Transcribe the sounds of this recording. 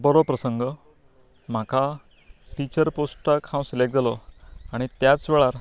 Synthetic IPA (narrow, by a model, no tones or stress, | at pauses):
bəɾopɾəsəŋɡə | m̤akʰa | ʈit͡ɕəɾposʈakʰãw̃silek̚d͡zalɔaɽ̃it̪jat͡sʋɛɭaɾ